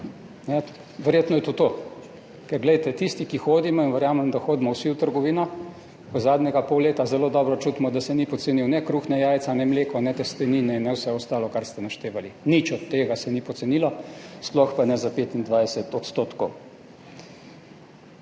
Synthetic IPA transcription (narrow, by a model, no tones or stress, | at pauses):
nɛ | ʋɛɾjeːt̪nɔjɛt̪ot̪o | kɛɾɡlɛjt̪ɛt̪ist̪ikixoːd̪imɔinʋɛɾjaːmɛmd̪axoːd̪imɔwsiwt̪əɾɡɔʋiːnɔ | ɔzaːd̪nʲɛɡapowleːt̪azɛloːd̪ɔːbɾɔt͡ʃut̪mɔd̪asɛnipɔt̪seniwnɛkɾuːxnɛjaːjt̪sanɛmleːkɔnɛt̪ɛst̪ɛninɛinɛwsɛɔst̪aːlɔkaɾst̪ɛnaʃt̪eːʋalinit͡ʃɔt̪ːeːɡasɛnipɔt̪sɛnilɔsplɔxpanɛzapeːt̪ind̪ʋajsɛt̪ɔt̪st̪oːt̪kɔw